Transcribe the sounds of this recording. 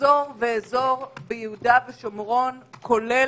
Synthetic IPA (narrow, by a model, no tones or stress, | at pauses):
oʁveezo̞ʁbejehudaveʃomʁo̞nkʰo̞le